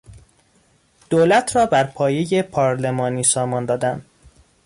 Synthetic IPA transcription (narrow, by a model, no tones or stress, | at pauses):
d̪̥oːlæt̪ʰɾɒːbæɾpʰɒːje̞jepʰɒːɾle̞mɒːniːsɒːmɒːnd̪ɒːd̪æn